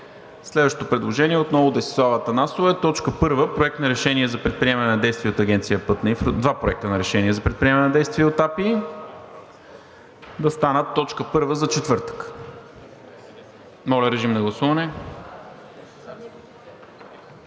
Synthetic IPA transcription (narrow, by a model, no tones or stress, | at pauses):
slɛd̪vəʃt̪et̪opɾɛd̪lˠoʒɛniɛot̪nɔvʊd̪ɛsi̥slˠavət̪ɐnasovəɛt̪ɔt͡ʃkəpɤɾvəpɾoɛk̚t̪nɐɾɛʃɛniɛzɐpɾɛt̪̚pɾiɛmɐnɛnɐd̪ɛjst̪vʲiəot̪ɐɡʲɛnt̪sijəpɤt̪nɐifɾod̪vapɾoɛk̚t̪ənɐɾɛʃɛniɛzɐpɾɛt̪̚pɾiɛmɐnɛnɐd̪ɛjst̪viəot̪api | d̪ɐst̪anət̪ːɔt͡ʃkəpɤɾvəzɐt͡ʃɛt̪vɤɾt̪ə̥k | mɔlʲɛɾɛʒimnɐɡlˠɐsuvɐnɛ